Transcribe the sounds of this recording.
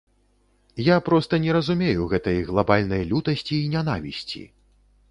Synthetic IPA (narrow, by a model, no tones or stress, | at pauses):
japɾɔst̪ɐnʲɛɾɐzumʲejuɣɛt̪ɐjɣlˠabalʲnɐjlʲut̪ɐsʲt͡sʲiːnʲanavʲisʲt͡sʲḭ